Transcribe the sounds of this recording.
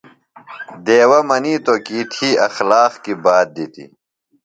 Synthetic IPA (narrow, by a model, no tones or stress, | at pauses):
d̪eːwɐmɐniːt̪okiːt̪ʰiːɐxlaːqkibaːt̪̚d̪it̪ḭ